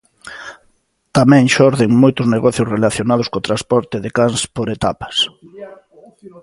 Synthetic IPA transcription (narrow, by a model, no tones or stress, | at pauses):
t̪amɛ̃ŋʃɔɾðeŋmojt̪ʊzneɣɔθjʊsrelaθjonað̞ʊskot̪ɾaspɔɾt̪ɪðekanspoɾet̪apḁs